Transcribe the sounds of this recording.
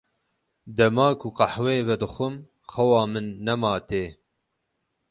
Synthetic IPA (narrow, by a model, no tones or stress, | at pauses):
d̪ɐmɑːkʰuqɑħweːvɛd̪ɨxʷɨm | xɐwɑːmɨnːɛmɑːt̪eː